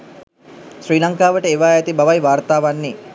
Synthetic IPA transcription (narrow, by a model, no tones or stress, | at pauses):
sriːlaŋkaːʋəʈəeʋaːæt̪ibaʋajʋaːrt̪aːʋanːe